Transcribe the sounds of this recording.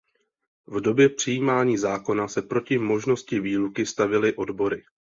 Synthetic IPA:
vdo̞bjɛpr̝̥ɪjiːmaːɲiːzaːko̞nasɛpɾo̞cɪmo̞ʒno̞scɪviːlukɪst̪avjɛlɪʔo̞dbo̞ɾɪ

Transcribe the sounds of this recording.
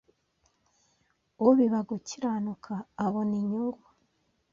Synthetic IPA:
uβiβaɡuciɾanukʰaːβoniɲuɡɡwa

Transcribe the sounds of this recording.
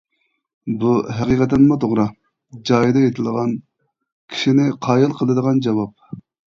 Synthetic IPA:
buɦɛqiqʰɛt̪ːɪnmʊt̪ʰoʁɾɑ | d͡ʒɑːjid̪ɑet̪ʰɪld̪əʁɑn | kʲʰi̥ʃinɪqʰɑːjilˠqʰəlˠɨd̪əʁɑnd͡ʒɑwɑp̚

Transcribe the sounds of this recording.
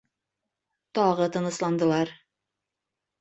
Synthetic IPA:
t̪ɒʁɤt̪ɤ̆nɤ̆slˠɑnd̪ɤ̆lˠɑɾ

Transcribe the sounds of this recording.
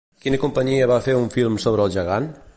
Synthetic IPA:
kinəkumpəɲiəβafeuɱfilˠmsoβɾəːlˠʒəɣan

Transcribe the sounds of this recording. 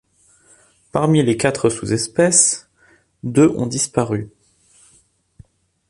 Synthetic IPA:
paʁmilekat̪χəsuzɛspɛs | d̪øʔɔ̰̃d̪ispaʁy

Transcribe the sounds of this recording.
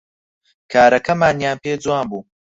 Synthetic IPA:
kʰaːɾɐkɐmaːnjaːnpeːd͡zuwaːmbuː

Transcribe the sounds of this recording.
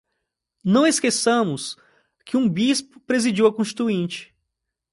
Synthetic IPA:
nɐ̃w̃eskesɐ̃mʊs | kɪũbispʊ̥pɾezid͡ʒiwɐkõʃt͡ʃi̥t̪uĩt͡ʃɪ̥

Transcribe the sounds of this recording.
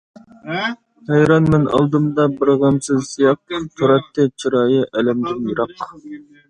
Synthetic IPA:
hæjɾɑnmɛnɑ̰lˠd̪ɨmd̪ɑbəɾʁɑnsɨzːijɑq̚t̪ʰuɾɑt̪ːɨt͡ʃʰiɾɑːjɨʔɛlɛmd̪ɪnjiɾɑq

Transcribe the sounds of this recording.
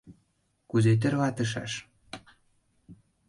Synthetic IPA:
kuzet̪̬ĕrβɑt̪ə̆ʃ̬ɑ̰ʃ

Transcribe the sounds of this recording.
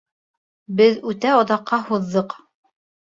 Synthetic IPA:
bɘðʉt̪æɑðɑqːɑhuðːɤq

